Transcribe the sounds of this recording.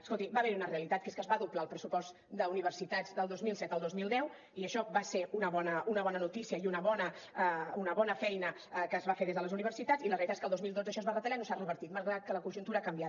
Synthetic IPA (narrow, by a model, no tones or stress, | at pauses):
əskolˠt̪ibaβɛɾiunəreəlit̪at̪keskəzβaðuplaəlˠpɾəsupɔz | d̪əuniβ̞əɾsit̪ad͡zd̪əlˠd̪ozmilˠsɛt̪əlˠd̪ozmilˠd̪ɛw | iəʃɔβaseunəβɔnəunəβ̞ɔnənut̪isiəiunəβɔnə | unəβɔnəfɛjnə | əkəːzβafeɾðezðələzuniβ̞əɾsit̪at͡silərelit̪ate̥skəlˠd̪ozmilˠd̪od͡zəʃɔəzβarət̪əlanosarəβəɾt̪it̪mazɣɾat̪̚kələkunʒunt̪uɾakəmbjat̪